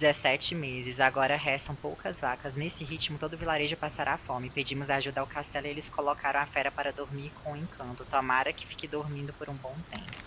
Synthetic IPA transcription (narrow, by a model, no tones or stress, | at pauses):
d͡ʒizɛsɛt͡ʃɪmezɪzaɡɔɾɐɦɛst̪ɐ̃w̃powkɐzvakɐznesɪɦit͡ʃimʊt̪od̪ʊvilaɾeʒʊpasaɾaːfõmɪped͡ʒĩmʊzaʒud̪awkast̪ɛlɪelɪskolɔkʰaɾɐ̃w̃afɛɾɐpaɾɐd̪oɾmiɾkʰõẽkʰɐ̃nt̪ʊt̪omaɾɐkɪ̥fi̥kɪd̪oɾmĩnd̪ʊpoɾũbõw̃t̪ḛ̃mpʊ